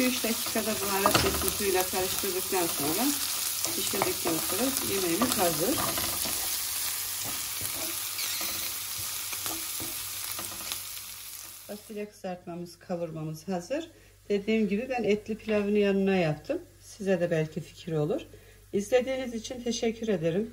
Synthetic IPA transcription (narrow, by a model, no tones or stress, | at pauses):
yt͡ʃd̪acʰi̥ːkʰad̪abulaɾat̪met̪ut̪ʰujlʲak̪ʰaɾɯʃt̪ʰɯɾd̪ɯk̚t̪ʰanso̞nɾa | t͡ʃʰiʃlʲid̪ɛcːalɯklˠaɾɯjemejimiz̥hazɯɾ̥ | b̥asilʲakʰɯ̥zaɾt̪mamɯzkʰalˠɯɾmamɯz̥hazɯɾ̥ | d̪̥e̞d̪iːmɟibibænɛt̪lʲipʰilʲavinjanɯnajapt̪ʰɯm | sizɛd̪ɛbælʲcʰifi̥cʰiɾo̞lˠuɾ̥ | izlʲe̞d̪iːnizit͡ʃʰint̪ʰe̞ʃɛcʰːyɾe̞d̪eɾim